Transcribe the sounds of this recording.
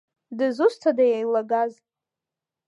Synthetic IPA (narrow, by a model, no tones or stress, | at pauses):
dɨzustʰadajajlaɡaz